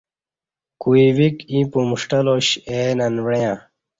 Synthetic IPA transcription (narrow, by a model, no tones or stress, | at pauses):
kuiwikĩpumuʂʈɐloɕenɐnwejã